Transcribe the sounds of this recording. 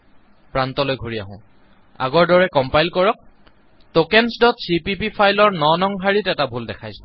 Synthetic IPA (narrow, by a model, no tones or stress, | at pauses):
pɹantɔlojɡʱoɹija̰ɦʊ̃ | a̰ɡɔɹdɔɹɛkɔmpajlkɔɹɔk̚ | tokɛnsdɔtsipipipʰajlɔɹnɔnɔŋɦaɹitɛtabʱuldɛkʰajsɔ̥